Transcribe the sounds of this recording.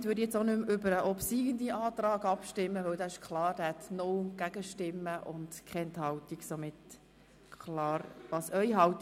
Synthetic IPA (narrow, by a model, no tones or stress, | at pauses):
tʋøːɾdjɛt͡sonʏmʏbəɾəʔɔpsiːɡənd̪iʔɑːt̪ɾɑːɡɑpʃtɪmːəʋœwdɑːɪʃkʰlɑːɾd̥æhɛt̪noɡ̥æɡ̥əʃtɪmːəʔʊndkʰɛɛnthɑwtiɡsomɪt | kʰlɑːɾʋɑːsœʏɦɑwt